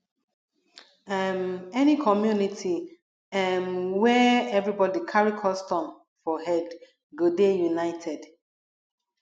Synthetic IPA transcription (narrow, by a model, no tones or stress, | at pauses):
amɛnikʰɔmjunitʰi | ɛnwɛɛvɹibɔdikʰaɹikʰɔstɔ̃n | fɔɦɛd | ɡodejunaɪtʰɛd